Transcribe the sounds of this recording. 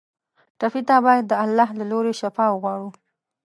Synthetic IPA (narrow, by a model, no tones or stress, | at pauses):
ʈafit̪abɑjad̪ːəalːɑhlaloɾeʃafɑwəɣwɑɽu